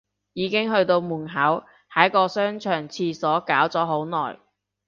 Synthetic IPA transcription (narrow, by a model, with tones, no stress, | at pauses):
jiː˨˧˥kɪ˥ŋɦɵ˧ɥt̪o˧wmuː˨˩nɦɐ˨˥w | hɐ˨˥jkɔː˧sœː˥ŋt͡ʃʰœː˨˩ŋt͡sʰiː˧sɔː˨˥kaː˨˥wt͡sɔː˨˥ɦo˨˥wnɔ̰ː˨˩j